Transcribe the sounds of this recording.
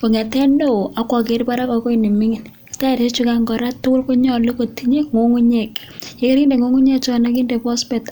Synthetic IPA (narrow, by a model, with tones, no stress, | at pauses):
ko˨ŋɛ˨tɛ˦ndo˦˨a˦kwɔ˨k̬e˨ɾpa˦ɾa˦kɔ˨ko˦i˦ni˨mi˦ŋi˨n | ta˦˨ɾe˦t͡ʃu˦ka˦ŋɡɔ˨ɾa˦tːʊ˦kʊ˦lko˦ɲɔ˦lo˦ko˨ti˦ɲe˦ŋo˦ŋu˦ɲe˨k | je˨˦ki˦ɾi˦nde˨ŋo˦ŋu˦ɲe˦k̚t͡ʃɔ˦na˦ki˦nde˨pɔ˦spɛ˨t